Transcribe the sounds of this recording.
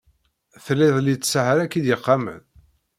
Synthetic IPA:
θəlːɪðˤlit͡sːsəhəɾækːid̪jəqːɑmə̰n

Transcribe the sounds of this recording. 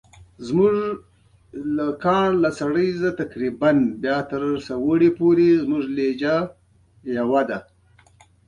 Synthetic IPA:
zmuʐ | lakɑːɳlasaɽəjzat̪akɾibanbjɑːt̪əɾsawəɽepoɾezmuʐled͡ʒa | jawad̪a

